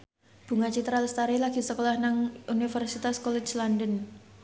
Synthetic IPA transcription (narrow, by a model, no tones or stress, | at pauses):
b̥ṳŋat͡ʃit̪ɾaləst̪aɾilaɡ̥i̤səkolahnaŋʔunifərsit̪askɔlɛt͡ʃlandən